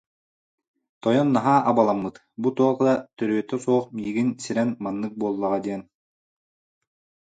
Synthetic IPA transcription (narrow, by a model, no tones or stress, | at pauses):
t̪ɔjɔnːaɦaːʔabalˠamːɯt̪ | but̪uɔqd̪at̪œɾyœt̪ːœsuɔχmiːɡinsiɾɛnmanːɯk̚buɔlˠːaʁad̪iɛn